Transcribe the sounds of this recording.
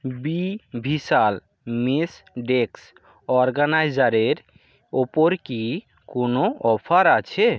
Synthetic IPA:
bibʱisal | mesɖeks | ɔɾɡanajd͡ʑaɾeɾ | opoɾki | konoɔpʰaɾat͡ɕʰe

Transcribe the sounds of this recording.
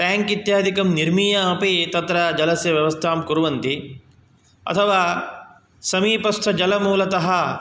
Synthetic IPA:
t̪aːŋkit̪jaːd̪ʱikɐmniɾmiːjɐɐpit̪ɐt̪ɾɐd͡ʒɐlɐsjɐʋjɐʋɐst̪ʰaːmkuɾuʋɐnt̪i | ɐ̰t̪ʰɐʋaː | sɐmiːpɐst̪ʰɐd͡ʒɐlɐmuːlɐt̪ɐɦɐ̆

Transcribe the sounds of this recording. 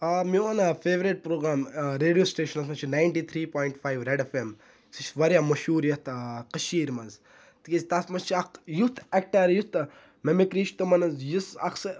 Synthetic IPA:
amiʋanɐfeːʋɾeʈ̚pɾoːɡɾaːmɾeːɖijoːsʈeːʃɐnɐs̬mɐt͡ʃʰinaːjɳʈiːt̪ʰɾiːpoːjɳʈfʰaːjʋɾeɖefem | sit͡ʃʋɐɾjaːmɐʃuːɾjɐt̪ʰqɐʃiːɾmɐnz | t̪ikezt̪ɐsmɐst͡ʃʰiɐkjut̪ʰek̚ʈɐɾjut̪ | memekɾiːʃt̪umɐnɐzjusɐ̰ksɐ

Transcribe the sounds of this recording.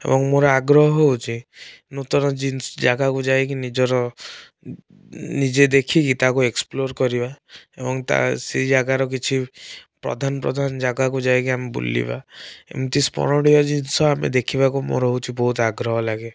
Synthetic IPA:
ḛbɔŋmoɾɔaɡɾɔɦɔɦowt͡ʃʰi | not̪ɔɾɔd͡ʒinsɔd͡ʒaɡakud͡ʒaek̬inid͡ʒɔɾɔ | nid͡ʒed̪ekʰikit̪akueksploɾkɔɾibaebɔŋt̪a̰sid͡ʒaɡaɾɔkit͡ʃʰipɾɔ̰d̪ʱanɔpɾɔ̰d̪ʱand͡ʒaɡakud͡ʒaekiamebṵlḭba̰ḛbɔŋt̪ispɔ̰ɾɔɽijɔd͡ʒinsɔamḛd̪ekʰibakumo̰ɾɔwt͡ʃʰibɔɦut̪aɡɾɔɦɔlaɡe

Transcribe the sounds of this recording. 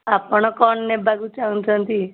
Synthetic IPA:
apɔɽ̃ɔkɔɳːebʱaɡut͡ʃant̪ʰənt̪i

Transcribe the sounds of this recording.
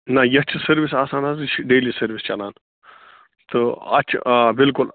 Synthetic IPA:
nɐjɐt͡ʃʰsɐɾʋisaːsaːnɐzɨt͡ʃʰɖeːlisɐɾʋist͡ʃɐnaːn | t̪ɨɐ̰t͡ʃʰbɪlkul

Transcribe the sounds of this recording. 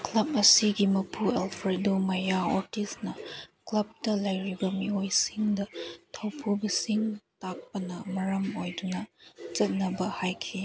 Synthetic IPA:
klɐb̚ɐsiɡimɐpʰuelpʰɾedomɐjaoɾtisnɐklɐb̚tɐlɐjɾibɐmiojsiŋdɐtʰɐwpʰubɐsiŋtak̚pɐnɐmɐɾɐmojdunɐt͡ʃɐt̚nɐbɐhajkʰi

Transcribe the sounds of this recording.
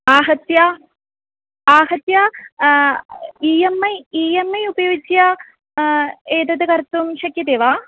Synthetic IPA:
aːɦɐt̪ja | aːɦɐt̪ja | iːjɐmːɐiːjɐmːɐjubɐjoːɡit͡ɕːja | eːt̪ɐd̪ɨkɐɾt̪ːumɕɐkjɐt̪eːʋaː

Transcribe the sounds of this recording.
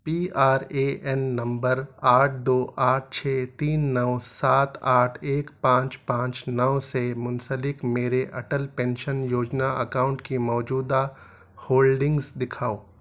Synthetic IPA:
piːaːɾeʔɛnːɐ̃mbəɾaːʈ̚ʰd̪oːʔaːʈ̚ʰt͡ʃʰeːt̪iːnːəʋsaːt̪ʰaːʈʰeːkpãːt͡ʃpãːt͡ʃnəʋsemʊnsəlɪkmeːɾeʔɐʈəlpɛ̃ːnʃənjoːd͡ʒnaɐkaːʊ̃ɳʈkimɔːd͡ʒuːd̪a | hoːlɖɪ̃ŋɡzd̪ɪkʰaːoː

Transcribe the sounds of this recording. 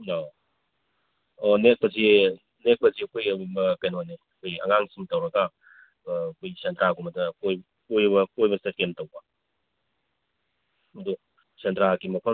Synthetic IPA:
o | onek̚pɐzi | nek̚pɐziɐkʰojkɐjnoneɐkʰojiɐ̰ŋaŋsiŋtɐwɾɐɡaː | kʰojsentɾaɡumɐdɐkoj | kojbɐkojbɐsɐkentɐwbɐ | mɐdu | sentɾaɡimɐpʰɐ

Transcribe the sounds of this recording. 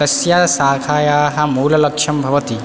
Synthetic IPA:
ɐsjasaːkʰaːjaːɦɐ̆muːlɐlɐkʃʰɐmbʱɐʋɐt̪i

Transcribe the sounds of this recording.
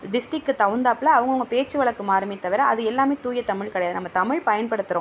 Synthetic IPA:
ɖɪsʈɪkːɯt̪ɐʋɯnd̪aːplɐːʋɐŋɡɐʋɐŋɡɐpeːt͡ʃːɯʋɐɭɐkːɯmaːɾɐmɪt̪ːɐʋɪɾɐɐðɯɛlːaːmeːt̪uːjɐt̪ɐmɪɻkɐɽɐjaːðɯnɐmːɐt̪ɐmɪɻpɐjɐnpɐɽɯt̪ːɯɾõ

